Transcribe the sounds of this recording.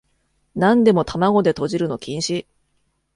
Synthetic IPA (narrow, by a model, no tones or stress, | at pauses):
nãnd̪e̞mo̞t̪amaɡo̞d̪e̞t̪o̞ʑiɾɯ̟no̞kʲĩɰ̃ɕi